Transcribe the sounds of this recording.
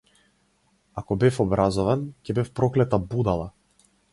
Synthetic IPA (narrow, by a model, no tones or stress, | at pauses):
akɔbɛfɔbɾazɔvancɛbɛfpɾɔklɛt̪abud̪alˠa